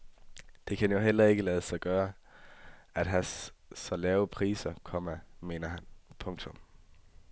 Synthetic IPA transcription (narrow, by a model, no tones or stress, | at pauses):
d̥e̝kʰænjo̝ɦel̰ɐe̝ɡ̥əlɛːð̞ˠəsɑ̈ɪɡ̥ɶːɐ | æd̥ɦæsɒ̽lɛːʊəpʰʁḭːsɐkʰɒ̽mɐme̝ːnɐɦænpʰɔ̽ŋt͡sʰɔ̽m